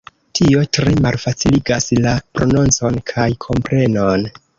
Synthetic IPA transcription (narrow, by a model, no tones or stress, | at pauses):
tʰio̞tɾe̞malfat͡siliɡaslapɾo̞nunt͡so̞nkʰajkʰo̞mpɾe̞no̞n